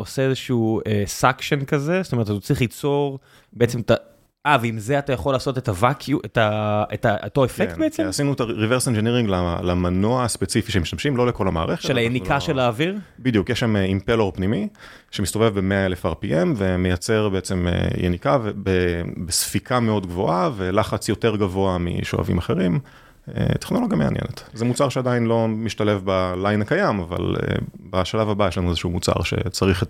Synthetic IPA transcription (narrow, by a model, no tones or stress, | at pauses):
o̞seezeʃuːesakʃenkaze̞sot̪ome̞t̪atat͡sʁiχlit͡so̞ʁ | beet͡semet̪a | ʔaveimzeatajaχo̞laːso̞tetavakʰjuʔetaetaotoefektbeet͡semasinuetaʁiveʁsend͡ʒeniʁiŋɡlalamanoaːspet͡sifiʃeemiʃt̪amʃimlo̞leko̞lama̰ːʁeχeʃtʃelajenikaʃelaːviʁbid̪jukjeʃameimpeloʁpnimi | ʃemist̪o̞vevbemeaelefaʁpiʔemvemejat͡seʁbeet͡semḛjḛnikavebebesfikʰameo̞dɡvo̞ʔave̞laχat͡sjo̞te̞ʁɡavo̞amḭʃo̰a̰vḭmaχe̞ʁim | ḛteχnoloɡjamea̰njḛnetzemut͡saʁʃeadainlo̞miʃtale̞fbalajnakajamava̰lḛbaʃalavabajeʃlanuezeʃumut͡sa̰ʁʃe̞̰t͡saʁiχ